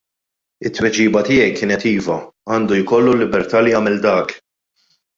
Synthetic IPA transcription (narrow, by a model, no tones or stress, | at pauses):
ɪt̪ːwɛd͡ʒiːbɐt̪ɪːjɛjkɪːnɛt̪iːvɐɐːnd̪ujkɔlːulːɪbɛɾt̪ɐːlɪjɐːmɛld̪ɐːk